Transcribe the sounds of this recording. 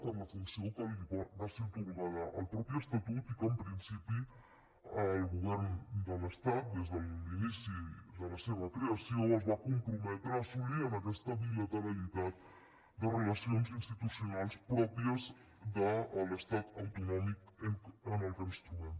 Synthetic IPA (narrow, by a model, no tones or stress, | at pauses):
t̪alat͡sensiokalβaðasit̪uɣuβalaʔa̰lpɾopiest̪at̪ut̪ikampɾinsipi | lɣuβ̞eɾnd̪alest̪at̪̚d̪ezðalminisizðalaseβakɾeasioazβakumpɾumet̪ɾasulianakest̪aβilat̪aɾalit̪at̪ | d̪orelasionsinst̪it̪usionalspɾopiez | d̪aːlest̪at̪awt̪onomikeŋkenalkaɾist̪uen